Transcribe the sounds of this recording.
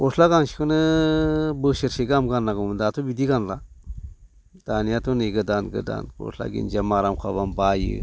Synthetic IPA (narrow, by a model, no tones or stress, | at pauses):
oslaɡaŋʃi̥kənɨ | bəʃəɾʃeɡamɡanaɡomnd̪at̪ʰobid̪iɡanla | d̪̥anijat̪oneɡədanɡə̰da̰nko̰sʰla̰ɡḭnd͡ʒamaɾamkʰabanbajḭ